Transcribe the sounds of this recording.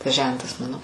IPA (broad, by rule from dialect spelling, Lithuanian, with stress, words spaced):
tɐs ˈʒʲɛntɐs ˈmɑːnoː